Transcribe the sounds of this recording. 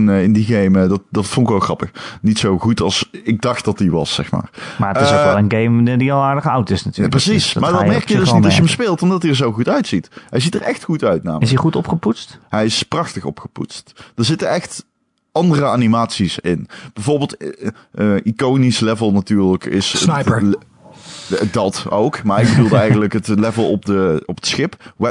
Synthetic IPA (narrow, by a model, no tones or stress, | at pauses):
nɪndiɣejmədɑtdɑtfõnkɪkʋɛlˠxrɑpəxnitsowɣutɑlˠsɪɡ̚dɑxt̚dɑtdiʋɑ̰sɛ̰xma̰ːrmaəɪsɛlˠənɡejmdiɑlˠaːɹdəχɑwtɪsnataprəsismaːɹdɑmɛɹkjədøsnnitdɑjəɦəmspeːlˠtɔmdɑtiəɹzowɣutœɥtsitɦɛjzitərɛxtxutœɥtna̰ːməɪsiχutɔpχəputstɦɛjɪsprɑxtəxɔ̰pxə̥pṵtstd̥əɹzɪtənɛxt | ɑndərəaːnimaːtsisɪnb̥ɛjvoːɹbeːlˠt | əikownislɛvəlˠnatyːɹləkɪ̰sjə | dɑtowkmaːɹɪɡ̚bədulˠəɛjɣənələkɦətlɛvəlˠɔpdəɔpətsxɪpʋɛ